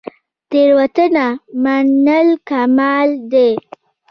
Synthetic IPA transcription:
t̪eɾwat̪ənamanəlkamɑld̪e

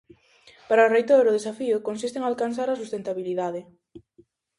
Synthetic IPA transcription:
paɾɐorejt̪oɾʊð̞esafiʊkonsist̪eŋalkansθ̬aɾasust̪ent̪aβiliðaðɪ

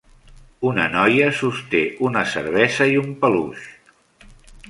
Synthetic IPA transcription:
unə̰nɔjəsust̪eunəsə̰ɾβ̞ɛzəiumpəlṵʃ

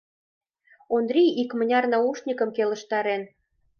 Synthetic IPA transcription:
ond̪ɾiikmə̆nʲɑrnɑuʃnʲikə̆mkelə̆ʃt̪ɑɾen

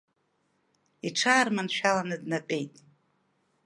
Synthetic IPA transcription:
iʈ͡ʂʰaːrmanʃᶣalanɨdnapʼe̞jtʼ

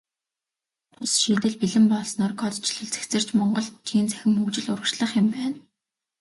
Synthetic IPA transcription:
pʊsʃiːt̪ɘ̆ɮpiɮɘ̆mpɔɮsnɔːrkʰɔt̪t͡ɕɪɮɵ̆ɮt͡se̥kt͡sɘ̆r̥t͡ɕmɔɴɢɞ̆ɮt͡ɕʰiːnt͡sʰæ̥xʲɪ̆mukt͡ɕɪ̆ɮʊɾə̆kʃɮə̆χɪ̆mpæːn

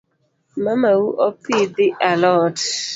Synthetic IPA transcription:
mamawuʔɔpid̪ɪʔalɔt

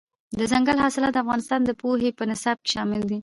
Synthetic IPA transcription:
d̪əzaŋɡalhɑsɪlɑt̪̚d̪əafɣɑnɪst̪ɑnd̪əpoɦepənɪsɑb̚ke̥ʃɑmɪld̪i

